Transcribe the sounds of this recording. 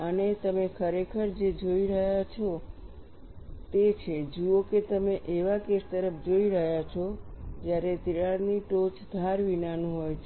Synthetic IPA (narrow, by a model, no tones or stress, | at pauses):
ənet̪əmekʰəɾekʰəɾd͡ʒed͡ʒoiɾəɦjat͡ʃʰo | t̪et͡ʃʰed͡ʒuoket̪əmeʔeʋakest̪əɾəfd͡ʒoiɾəɦjat͡ʃʰod͡ʒjaɾet̪iaɽniʈot͡ʃd̪ʱaɾʋinanũɦojt͡ʃʰe